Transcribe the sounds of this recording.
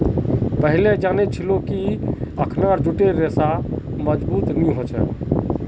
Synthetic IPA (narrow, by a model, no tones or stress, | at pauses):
pəɦiled͡ʒanet͡ʃʰilokiəkʰnaɾd͡ʒuʈeɾesaməd͡ʒbuːt̪niɦot͡ʃʰɛ̰